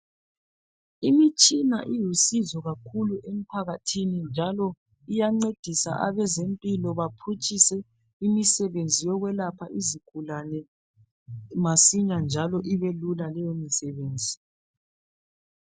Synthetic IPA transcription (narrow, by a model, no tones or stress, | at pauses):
imit͡ʃʼina̰ʔijusizɔɣakʰuluʔem̩pʰaɣatʰinind͡ʒʱalɔ | ijaŋ͡ǀed̥ʱisa̰ʔaβɛzempʼilɔβapʰut͡ʃʼisɛ | imisɛβend͡zʱijɔɣwɛlapʰaʔiziɡ̥ʱulanɛ | masiɲand͡ʒʱalɔʔiβelulalɛjomisɛβeːnd͡zʱi